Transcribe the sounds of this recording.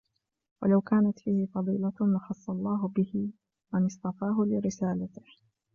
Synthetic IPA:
walawkaːnat̪fiːhɪfɑðˤḭːlalɑxɑsˤːɑlˤːɑːɦʊbɪhɪ | manɪst̪ˤɑfɑːɦʊlɪɾɪsaːlat̪ɪh

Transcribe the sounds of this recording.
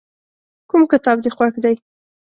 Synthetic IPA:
kumkɪt̪ɑbd̪exwaxd̪aj

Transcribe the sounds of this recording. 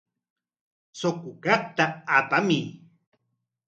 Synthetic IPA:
sokʊkap̚t̪aːpami

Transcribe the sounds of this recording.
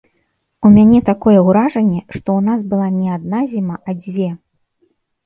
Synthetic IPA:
umʲanʲɛt̪akɔjɛwɾaʐɐnʲːɛʂt̪ɔunasbɨlˠanʲɛad̪̚nazʲimaʔɐd͡zʲvʲɛ

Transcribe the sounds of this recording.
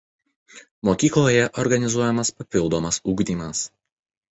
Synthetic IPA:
moːkʲiːklˠoːjɛʔɔɾɡɐnʲɪzuɔjɛmɐspɐpʲɪlˠd̪oːmɐsuːɡd̪ʲiːmɐs

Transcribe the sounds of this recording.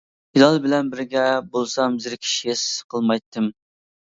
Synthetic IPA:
hilɑlˠbɪlɛnbɪɾɡʲɛbolˠsɑmzɪɾkʲʰi̥ʃiesqʰəlˠmɑjt̪ʰːɨm

